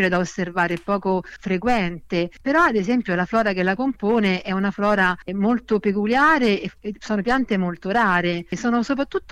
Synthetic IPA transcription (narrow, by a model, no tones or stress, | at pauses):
ɾed̪aosːervaːɾeɛpːɔːkofɾekwɛnt̪epeɾɔad̪ezɛmpjolaflɔːɾak̟elakompoːneʔɛunaflɔːɾamolt̪opekuljaːɾesoːnopjant̪emolt̪oɾaːɾesɔːnosop̬ɾat̪ːut̪ː